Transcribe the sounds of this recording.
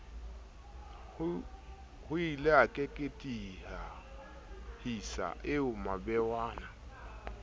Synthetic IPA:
hʊilɛakʼekʼetʼiha | hisa̰ʔɪʊmabɛwaːna

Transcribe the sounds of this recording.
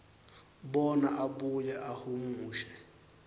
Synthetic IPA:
bɔnaʔabʊjaʔahumuːʃɛ̥

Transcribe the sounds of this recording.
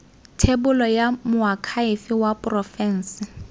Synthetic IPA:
tʰebʊlɔjamʊakʰaɪfɪwapʊrɔfɛn̩ːsɪ

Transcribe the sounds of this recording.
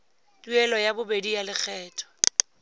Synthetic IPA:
tʼuɛlɔjabʊbedijalɪk͡xʰɛːtʰʼɔ̥

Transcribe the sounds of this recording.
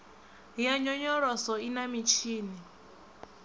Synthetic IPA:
jaɲɔɲɔɺɔsɔinamit͡ʃʰiːni

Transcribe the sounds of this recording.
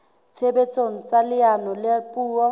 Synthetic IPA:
t͡sʰebet͡sʼoŋ̩t͡sʼalɪanɔlepʼuːɔ

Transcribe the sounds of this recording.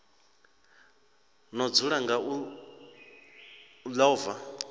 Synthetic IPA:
nɔd͡zuɺaŋɡau | laɔːva

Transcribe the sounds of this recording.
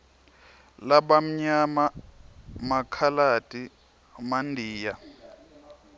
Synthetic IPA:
laɓam̩ɲama | makʰalatʼi | mandʱiːja

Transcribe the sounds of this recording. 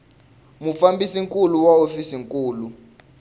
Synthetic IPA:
mufambisiŋkʼuluwaofisiŋkʼuːlu

